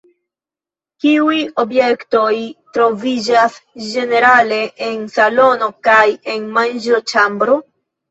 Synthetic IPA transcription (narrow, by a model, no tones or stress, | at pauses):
kiujo̞bje̞kto̞jtɾo̞vid͡ʒasd͡ʒe̞ne̞ɾale̞ʔensalo̞no̞kaje̞nmand͡ʒot͡ʃambɾo